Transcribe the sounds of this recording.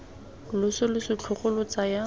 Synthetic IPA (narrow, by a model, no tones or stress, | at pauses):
lʊsʊlʊsɪt͡ɬʰʊχʊlʊt͡saja